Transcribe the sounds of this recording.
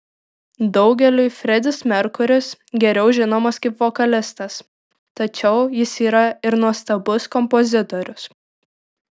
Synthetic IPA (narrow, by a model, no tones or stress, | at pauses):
d̪ɒʊɡʲɛlʲʊɪfʲɾʲɛd̪ʲɪsmʲɛɾkʊɾʲɪsɡʲɛɾʲɛʊʒʲɪnoːmɐskɐɪpʋɔkɐlʲɪst̪ɐs | t̪ɐt͡ʃʲɛʊjɪsiːɾɐɪɾnuɔst̪ɐbʊskɔmpɔzʲɪt̪ɔɾʲʊs